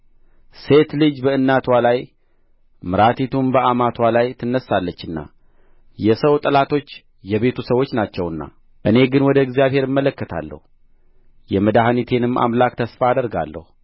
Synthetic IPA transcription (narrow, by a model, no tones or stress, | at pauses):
se̞t̪lɨd͡ʒbəɨnːat̪ʰwalaj | mɨɾat̪ʰit̪ʰumbəʔamat̪ʰwalajt̪ʰɨnːəsːalːət͡ʃːɨnːa̰ | jɛsəwt̪ʼəlat̪ʰo̞t͡ʃː | jɛβe̞t̪ʰusəwːo̞t͡ʃːnat͡ʃːɛwɨnːa̰ | ʔɨne̞ɡɨnwɔd̪əɪɡzijaβhe̞ɾɨmːələkːət̪ʰa̰lːə̰hu | jɛməd̪aɦanit̪ʰe̞nɨmːʔa̰mlakt̪ʰəsfaːd̪əɾɡa̰lːə̰hu